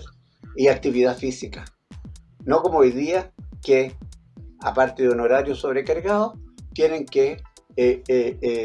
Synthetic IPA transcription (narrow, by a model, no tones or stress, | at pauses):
iak̚t̪iβiðafisika | nokomoojðiake | apaɾt̪eðeunoɾaɾjosoβɾekaɾɣaðot̪jeneŋke